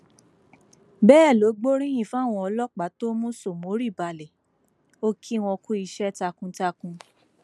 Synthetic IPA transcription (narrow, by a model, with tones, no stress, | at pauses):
bɛː˦˨lo˨˦ɡ͡bo˦ɾĩ˦j̃ĩ˦˨fu˨˦˨w̃ɔ̃˧ɔ˧lɔ˦k͡pa˨˦to˦mũ˦so˦˨mo˨˦ɾi˦˨ba˧˨lɛ˨ | o˦kʰi˦w̃ɔ̃˧ku˦i˧ʃɛ˦ta˧kũ˧ta˧kũ˧